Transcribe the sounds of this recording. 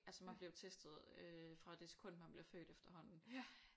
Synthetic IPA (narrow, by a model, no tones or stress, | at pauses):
ʔælsəmænb̥le̝ʊt͡sʰesd̥ð̞̩ˠøfʁɑ̈d̥e̝se̥kʰɔ̽n̰d̥mænb̥le̝ɐfø̰ːd̥efd̥ɐɦɒ̽n̰n̩